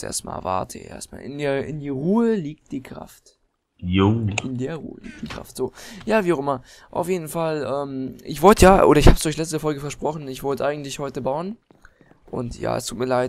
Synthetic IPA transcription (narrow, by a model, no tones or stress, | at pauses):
ʔḛːɐstma̰ːlva̰ɐtʰə̰ʔḛːɐstma̰ːlʔɪ̰ndeːɐʔɪndiːʁuːəliːk̚t̚d̥iːkʁ̥a̰ft | joʔɪndeːɐʁṵːə̰lḭːk̚td̥iːkʁ̥a̰ftz̥oːjaːviːaʊxʔɪmɐ | ʔaʊfjeːdn̩falʔɛːmɪçv̥ɔltəjaːʔoːɾɐɪçhaːpsd̥ʊçlɛt͡stəfɔlɡəfɛɐʃpʁ̥ɔχn̩ɪçv̥ɔltəʔaɪɡŋ̩tlɪçhɔʏtəbaʊən | ʔʊ̰ntja̰ːɛ̰stʰuːtmiːɐlaɪt